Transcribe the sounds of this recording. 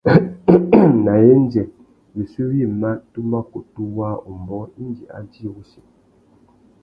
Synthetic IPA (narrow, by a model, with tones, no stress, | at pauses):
na˨je˦n˦d͡ʒɛ˨ | wi˨si˦wi˦˨ma˦tu˦ma˦ku˨tu˦wa˦u˨m˨bɔ˦i˦nd͡ʒi˨a̰˦d͡ʒi˦˨ɣu˦ʃe˨